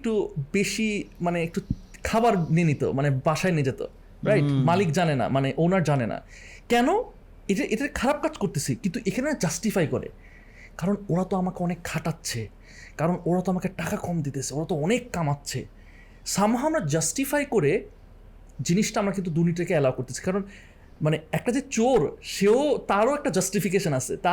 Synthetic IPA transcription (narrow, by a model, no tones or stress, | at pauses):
ek̚ʈubeʃimaneek̚ʈukʰabaɾnenit̪o̰manebaʃaened͡ʑet̪o̰ | ɾajʈmalikd͡ʑanena̰maneʔownaɾd͡ʑanena̰ | kɛno | eʈaʔeʈakʰaɾab̚kad͡ʑkoɾt̪et͡ɕʰikint̪uʔekʰanenad͡ʑasʈifajkoɾḛ | kaɾonoɾat̪oamakeɔnekʰːaʈatːɕʰe | kaɾonoɾat̪oamakeʈakakʰɔmd̪it̪et͡ɕʰeoɾat̪oɔnekːamatːɕʰḛ | ʃamoɦaamɾad͡ʑasʈifajkoɾe | d͡ʑiniʃʈaamɾakint̪̬ud̪uɾniʈekeɛlaokoɾt̪et͡ɕʰi̥kaɾon | maneɛk̚ʈad͡ʑet͡ɕoɾʃeot̪aɾoɛk̚ʈad͡ʑasʈifik̬eʃonat͡ɕʰḛt̪a